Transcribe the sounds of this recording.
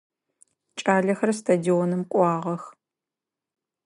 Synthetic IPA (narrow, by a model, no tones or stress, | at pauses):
t͡ʃʼaːɮɐxɐrstʰadiɔnɨmqʷʼɑːʁɐx